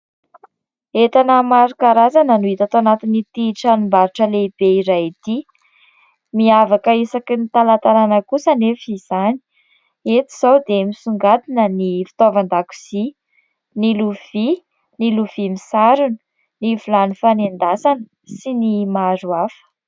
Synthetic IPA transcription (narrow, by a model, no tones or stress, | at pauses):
et̪anəmaɾukaɾazanənuit̪at̪oanat̪init̪iʈ͡ʂanumbaɾuʈ͡ʂəleb̥eiɾajit̪i | miavakəisakinit̪alant̪aɾanəkusənefiz̥ani̥ | et̪i̥z̥awd̪emisuŋɡat̪inənifi̥t̪ovand̪aku̥z̥i | niluv̥i | niluv̥imisaɾuni̥ | nivulanifanend̪asanə | sinimaɾuafə̥